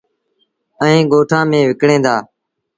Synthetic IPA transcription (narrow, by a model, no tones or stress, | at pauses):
əĩːɡoːʈʰãːmẽːʋɪkɽẽːd̪aː